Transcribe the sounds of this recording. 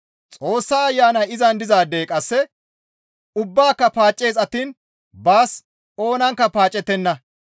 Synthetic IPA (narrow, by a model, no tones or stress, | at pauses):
t͡sʼo̞ːsːaːɐjːaːnɐɪzɐnd̪ɪzaːd̪e̞ːkʼɐsːɛ | ʊbːaːkːɐpaːt͡ʃʼːe̞ːzɐt̪ːiːn | baːs | o̞ːnɐŋkːɐpaːt͡ʃʼːɛt̪ːɛnːɐ